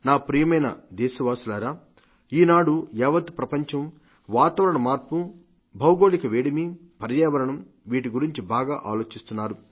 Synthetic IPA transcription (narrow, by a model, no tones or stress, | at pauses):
naːpɾiːjɐmɐjnɐ̰d̪eːsiʋaːsulaːɾaː | iːnaːɽuɛːʋɐt̪pɾɐpɐɲt͡ʃɐm | ʋaːt̪ɐʋɐɾɐɳɐmaːɾpu | bʱɐwɡoːɭikɐʋeːɽimipɐɾjɛːʋɐɾɐɳɐm | ʋiːʈ̬iɡuɾiɲt͡ʃibaːɡaːʔaːlo̞ːt͡ʃist̪unːaːɾu